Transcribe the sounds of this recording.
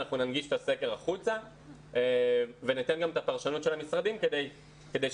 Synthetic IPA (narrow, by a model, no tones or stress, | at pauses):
aχnunanɡiʃe̥t̪ase̞ke̞ʁaχut͡sa | venit̪enɡamet̪apaʁʃanutʃe̞lamisʁadimke̞d̪e̞j | ke̞d̪ej